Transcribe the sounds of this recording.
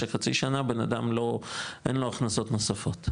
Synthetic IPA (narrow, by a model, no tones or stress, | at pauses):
eχat͡siʃanabenadamlo̞ʔenloaχnaso̞t̪nosafo̞t̪